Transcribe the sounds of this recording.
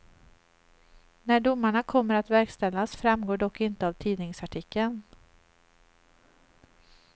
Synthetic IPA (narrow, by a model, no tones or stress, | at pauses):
næɖʊmːaɳakʰɔmːəɾat̪væɾkst̪ɛlːasfɾamɡoːɖɔkːɪnt̪əavt̪ʰiːd̪nɪŋsaʈʰɪkʰːən